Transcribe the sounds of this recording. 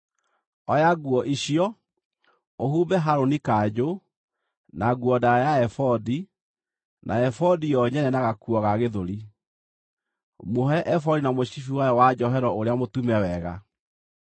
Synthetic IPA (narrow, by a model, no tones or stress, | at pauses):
ɔjaɣuɔʔiɕijɔ | ohuːbɛɦaɾonikad͡ʑo | naɡwɔdaɾajaɛfɔdi | nʔa̰ɛfɔdijɔɲɛnɛnaɣakuɔɣaɣeðoɾi | moɦɛʔɛfɔdinamoɕifiwajɔwad͡ʑɔɦɛɾɔoɾeamotumɛwɛɣa̰